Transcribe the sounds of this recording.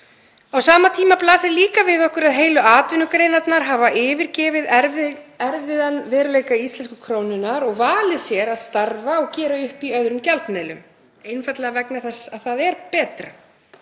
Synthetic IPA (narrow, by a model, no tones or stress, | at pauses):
awsaːmat̪ʰiːmaplaːsɪliːkavɪðɔhkʏɾaðɦeːjlʏaːt̪vɪnʏkɾejnat̪naɾ̥ɦaːvaʔɪːvɪɾcɛːvɪð | ɛɾvɪðanvɛːɾʏleːjkaist̪lɛnskʏ̥kʰɾoːwnʏnaɾɔɣvaːlɪsjɛɾaðst̪aɾvaɔɣcɛːɾaʏhpiœðɾʏmcalt̪mejlʏ̰m | ejnfat̪lɛɣavɛknɪaθɛsaðθaðɛɾpɛːt̪ɾa̰